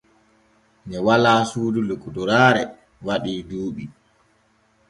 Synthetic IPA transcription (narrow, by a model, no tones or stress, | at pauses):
ɲɛwalaːsuːdulukːuduɾaːɾɛ | waɗiːduːɓi